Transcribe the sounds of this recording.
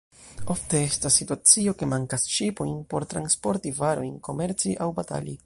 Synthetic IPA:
o̞fte̞e̞stasːituat͡sio̞ke̞maŋkasʃipo̞jnpo̞ɾtɾa̰nspo̞ɾtivaɾo̞jnko̞me̞ɾt͡siʔawbata̰li

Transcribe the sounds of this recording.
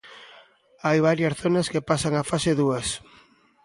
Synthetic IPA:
ajβ̞aɾjɐsθonɐskepasaŋafaseðuɐs

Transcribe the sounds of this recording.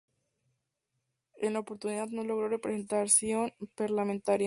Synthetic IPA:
enlaopo̞ɾt̪uniðaðno̞lo̞ɣ̞ɾo̞re̞pɾese̞nt̪aɾsjonpaɾlamẽnt̪aɾj

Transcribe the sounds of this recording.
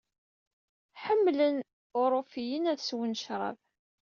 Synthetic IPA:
ħəmːlən | ʊɾˤofijənæðswənʃɾˤɑ̰v

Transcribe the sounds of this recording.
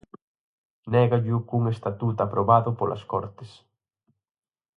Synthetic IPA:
nɛɣaʎukuŋest̪at̪ut̪apɾoβaðʊpolʔɐ̰skɔɾt̪ɪs

